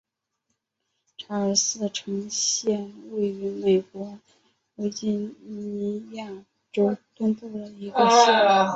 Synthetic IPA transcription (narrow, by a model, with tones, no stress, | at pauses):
ʈ͡ʂʰa˧˥ə˞˨˩sɹ̩˥˩ʈ͡ʂʰɤ˧˥ŋɕjɛ˥˧nwe˥˩ɪy˧˥me˨˩ɪkwɔ˧˥ | we˧˥ɪt͡ɕi˥˩nni˧˥i˧˥ja˥˩ | ʈ͡ʂo˥ʊt̪ə˥nt̪u˥˩d̪ə˩i˧˥ɡə˧ʂ̩˥˩˧